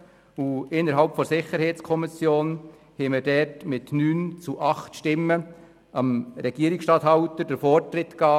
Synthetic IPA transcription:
uɪnːəɾɦɑlpfɔsɪχəɾhɛːt͡skʰɔmɪsjoːn | hɛməɾdɛrtmɪtnyːnt͡suʔɑχt̪ʃtɪmːə | ɑmɾɛɡ̥iəɾɪksʃtɑt̪hɑwtəd̥əɾfɔrtɾɪtkɑː

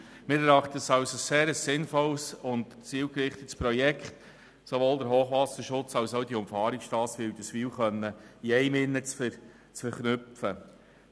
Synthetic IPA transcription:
mɪːɾɛɾɑχtəsɑwsoseːɾəsːɪnfɔlsʊntt͡siːwkɾɪχt̪ətspɾɔjɛkχt | soʋoːldəɾɦoːχʋɑːsəʃʊt͡sɑwsod̥iʊmfɑːɾiksʃtɑːsʋed̥̪əsʋiːwχœnːəiɛɪmɪnːət͡sfəɾ | t͡sfəɾχnʏpfə

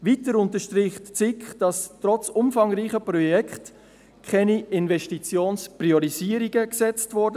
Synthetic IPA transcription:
ʋiːtəɾʊntəʃtɾɪːχtt͡sɪkχd̥ɑstɾɔt͡sʊmfɑŋɾiːχəprɔjɛkχt | kʰɛniʔɪnvɛʃtit͡sjoːnspriɔɾiziːəɾiɡəksɛt͡stvɔɾdə

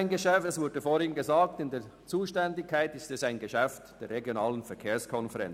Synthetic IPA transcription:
ɪnɡəʃɛftɛsv̥ʊdəfoːɾhɪŋnɡəzaːktɪndeːɐt͡suːʃtɛndɪkʰːaɪtɪstɛsaɪnɡəʃɛftd̥eːɾʁeɡjonaːlənfɛɐkʰeːɐskʰɔnfɛʁɛ̰nt͡s

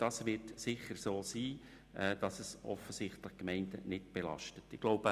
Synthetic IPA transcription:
d̥ɑsʋɪtsɪχəɾsoːsiː | ɛːd̥ɑsəsʔɔ̰fəsɪχtləχkmɛɪndənɪtb̥elɑ̰ʃtətɪɡ̥loʊb̥ə

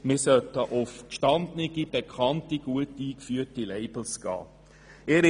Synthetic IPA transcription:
mɪːsœtəʔʊfkʃtɑndnɪɡib̥ekʰχɑntiɡ̥uətiːkfyːətileɪb̥l̩sɡ̥ɑ̰ː | eɾ

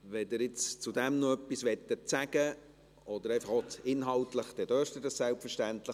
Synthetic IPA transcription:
ʋɛd̪ɪɾɪt͡st͡sud̪ɛmnoœpːisʋɛt̪ːət͡sæɡ̥ə | ɔd̥̪əɾɛɪfɑχotɪnɦɑltləχd̥̪ɛd̥øːʃtədɑssælpfəɾʃtænt̪lə

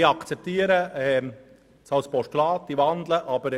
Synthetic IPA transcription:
iɑkt͡sɛp̚t̪iːəɾəɛ | sɑlspɔʃtlɑːt̪ːiʋɑnd̪ləʔɑbəɾ

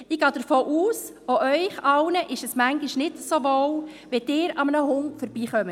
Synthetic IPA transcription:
ɪɡ̥ɑːd̥əɾfoːʔuːs | oʔœʏχɑwnəʔɪʃɛsmæŋɡiʃnɪtsoʋɔwʋed̥ɪːɾɑmənəɦʊŋfɔɾb̥iːχœmət

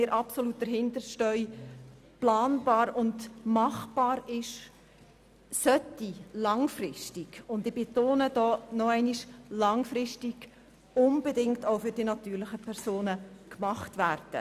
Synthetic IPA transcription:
ɪːɾʔɑpsoluːt̚d̥əɾɦɪndəɾʃtœʏ | plɑːnbɑːɾʊndmɑχb̥ɑːɾɪʃ | sœtːilɑŋfrɪʃtiɡʊndɪbetoːnəd̥ɔːnɔɛɪniʃlɑŋfrɪʃtiɡ̥ | ʊnbedɪŋtaʊfʏɾd̥inɑt̪yːɾlɪχəpʰɛɾsoːnəkmɑχtʋærd̥ə̰

